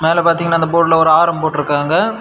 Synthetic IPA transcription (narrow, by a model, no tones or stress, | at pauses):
meːlɛpaːɾt̪iːŋɡɐnaːɪnd̪ɐpoːʈlɐɔɾɯaːɾɐmbɐpoːʈːɪɾɯkːaːŋɡɐ